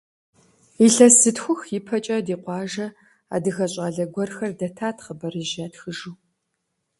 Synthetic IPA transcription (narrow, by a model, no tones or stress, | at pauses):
iɬɐsɨtxʷʊxjipʰɐt͡ʃʼɐdiːqʷɑːʒɐ | a̰ːdɨɣɐɕʼaːɮɐɡʷɔrxɐrdɐtʰaːtʰχəbɐɾɨʒaːtxɨʒuː